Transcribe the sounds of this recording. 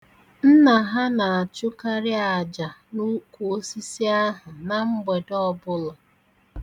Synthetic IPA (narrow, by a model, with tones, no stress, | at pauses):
n̩˦na˨ɦa˦na˨a˨t͡ʃʊ˦ka˦ɾɪ˦a˨d͡ʒa˨nu˦kʷu˨o˦si˦si˦a˦ɦʊ˨na˨ŋ͡m̩˦ɡ͡be˨dɔ˦bʊ˦lɔ˨